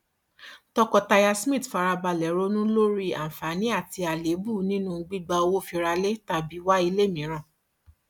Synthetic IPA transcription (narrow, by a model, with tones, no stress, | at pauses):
tɔ˧kɔ˧ta˧ja˧smĩ˦˨tfa˧ɾa˧ba˧lɛ˨˦ɾo˦nũ˦lo˦ɾi˦a̰˨m̩˨fa˨˦nĩ˦a˦˨ti˧a˨le˨˦bu˦˨nĩ˦nũ˦˧ɡ͡bi˦ɡ͡ba˧o˧wo˦fi˧ɾa˧le˦ta˨bi˨˦wa˦i˧le˦˨mĩ˨˦ɾ̃ã˦˨